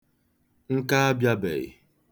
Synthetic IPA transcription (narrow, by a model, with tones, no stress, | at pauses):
ŋ̩˦ka˦a˦bja˦bḛ˨ɣɪ̰˨